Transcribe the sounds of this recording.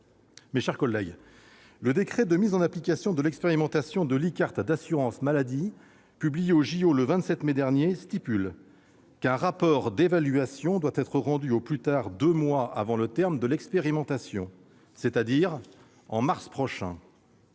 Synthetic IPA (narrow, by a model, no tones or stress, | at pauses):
meʃɛʁkɔlːɛɡ | ləd̪ekχɛd̪əmizɑ̃naplikʲasjɔ̃d̪əlɛkspeʁimɑ̃t̪asjɔ̃d̪əlikaʁt̪d̪asyʁɑ̃smalad̪i | pyblijeoʒioləvɛ̃t̪sɛt̪mɛd̪ɛʁnjest̪ipyl | kɛ̃ʁapɔʁd̪evalɥyasjɔ̃d̪wat̪ɛt̪χəʁɑ̃d̪yoplyt̪aʁd̪ømwaa̰vɑ̃lət̪ɛʁmd̪əlɛkspeʁimɑ̃t̪asjɔ̰̃ | set̪ad̪iʁ | ɑ̃maʁspχɔʃɛ̰̃